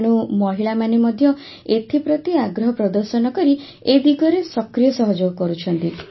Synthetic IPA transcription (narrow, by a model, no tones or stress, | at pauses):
ñumɔɦiɭamanimɔd̪ʱjɔ | et̪ʰipɾɔt̪iaɡɾɔɦɔpɾɔd̪ɔɾsɔnɔkɔɾi | ed̪iɡɔɾesɔkɾijɔsɔɦɔd͡ʒoɡɔkɔɾut͡ʃʰɔnt̪i